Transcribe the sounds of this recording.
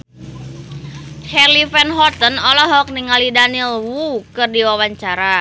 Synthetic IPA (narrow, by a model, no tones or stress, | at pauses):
t͡ʃɛrlifɛnɦɔt̪ənɔlɔɦɔk̚niŋalidanilwukɨrdiwawaɲt͡ʃaɾa